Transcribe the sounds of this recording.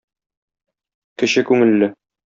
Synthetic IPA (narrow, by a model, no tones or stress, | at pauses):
kɘ̆ɕɘkʉŋɘ̆lːɘ